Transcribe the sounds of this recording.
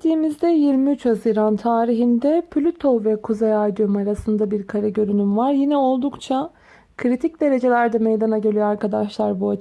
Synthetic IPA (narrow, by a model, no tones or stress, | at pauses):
t̪ʰiːmizd̪ɛjiɾmiyt͡ʃhaziɾant̪ʰaːɾiɦind̪ɛpʰlʲyt̪ʰo̞vɛkʰuzejad̪jomaɾasɯnd̪abiɾkʰaɾaɟø̞ɾynymvaɾjinɛo̞lˠd̪ukt͡ʃʰa | kʰɯɾit̪ʰic̚d̪e̞ɾe̞d͡ʒe̞lʲæɾd̪ɛmejd̪anaɟølʲyjøaɾkad̪aʃlˠaɾbuat͡ʃ